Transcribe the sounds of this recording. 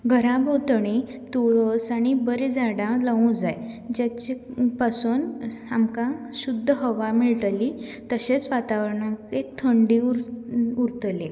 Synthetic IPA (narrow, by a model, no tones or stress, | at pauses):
ɡʱəɾãbʱot̪ɽ̃i | t̪uɭəsaɽ̃ibəɾed͡zʱaɽãlaũd͡zajd͡ʑat͡ɕepasuːnamkãɕud̪ʱːəɦəʋamiɭʈəlit̪əɕet͡sʋat̪aʋəɾɳãket̪ʰəɳɖiɾuɾt̪le